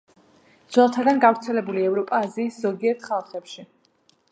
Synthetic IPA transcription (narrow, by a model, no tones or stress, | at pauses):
d̪z̥wɛlˠt̪ʰad̪anɡavɾt̪sʰɛlɛbuliɛvɾɔpʼaːziːsz̥ɔɡiɛɾt̪ʰχalˠχɛpʃi